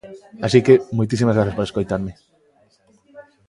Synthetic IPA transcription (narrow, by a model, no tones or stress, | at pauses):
asikemojt̪̬is̬imazɣɾaθaspoɾeskojt̪aɾme